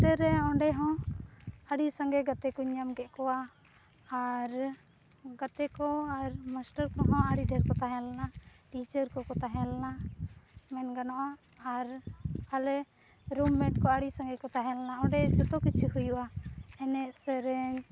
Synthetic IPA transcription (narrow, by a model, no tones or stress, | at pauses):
ʈəɾɛɔɳɖɛɦɔ̃ | aɽisaŋɡɛɡat̪ɛkɔɲamɡɛʔkɔwaː | ɾ | ɡat̪ɛkɔaɾmasʈəɾkɔɦɔ̃aɽiɖʱɛɾkɔt̪aɦɛ̃lanaʈid͡ʒəɾkɔkɔt̪aɦɛlna | mɛnɡanɔʔaː | ɾhalɛ | ɾumːɛʈkɔaɽisãŋɡɛkɔt̪aɦɛ̃lanaɔ̃ɖɛd͡ʒɔt̪ɔkit͡ʃʰihujuʔaɛnɛʔsɛɾɛɲ